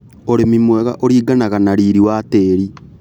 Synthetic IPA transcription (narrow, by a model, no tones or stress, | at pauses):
oɾemimwɛɣa̰ʔoɾiːɡanaɣanaɾiɾiwateːɾi